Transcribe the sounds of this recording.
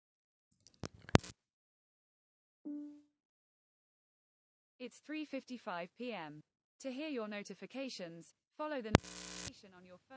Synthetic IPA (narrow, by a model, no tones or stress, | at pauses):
ɪtsθɹiːfɪftifaɪv̥pʰiːɛ̃m | tʰəɦɪəjənəʊtɪfɪkʰeɪʃə̃nz̥ | fɒləʊðənəʊɪfɪkʰeɪʃə̃nə̃njəfɜ